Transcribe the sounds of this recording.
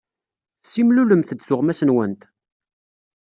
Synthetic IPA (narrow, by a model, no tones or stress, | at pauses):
simluləmθəd̪sʊʁmæsənwənt̪